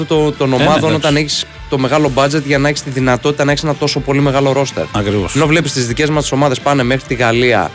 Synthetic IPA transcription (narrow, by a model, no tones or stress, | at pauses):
ut̪ot̪o̞no̞mɐðo̞no̞t̪ɐneçiss | t̪o̞me̞ɣɐlo̞bɐd͡ze̞t̪ʝɐnɐeçist̪iðinɐt̪o̞t̪i̥t̪ɐnɐeçse̞nɐt̪o̞so̞po̞lime̞ɣɐlo̞ɾo̞st̪eɾɐkɾivo̰seno̞vle̞pist̪izðice̞zmɐst̪i̥so̞mɐðe̞spɐne̞me̞xɾit̪iɣɐliɐ̰